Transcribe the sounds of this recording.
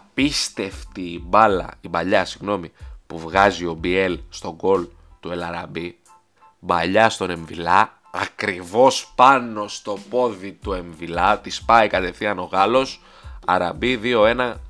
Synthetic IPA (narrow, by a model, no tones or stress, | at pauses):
pist̪e̞ft̪iːbɐlɐ̰ibɐʎɐsiɣno̞mipuvɣɐzio̞bie̞lst̪o̞ɡo̞l | t̪ue̞lɐɾɐ̰bi | bɐʎɐst̪o̞ne̞ɱvilɐ | ɐkɾivo̞spɐno̞st̪o̞po̞ðit̪ue̞ɱvilɐt̪ispɐikɐt̪e̞fθiɐno̞ɣɐlo̞s | ɐɾɐbiðio̞e̞nɐ